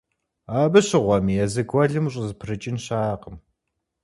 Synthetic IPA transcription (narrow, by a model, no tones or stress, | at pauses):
aːbɨɕɪʁʷɐmijɛzɨɡwɐɮɨmɕʼɪzɨpʰrɨt͡ʃʼɪnɕaːqəm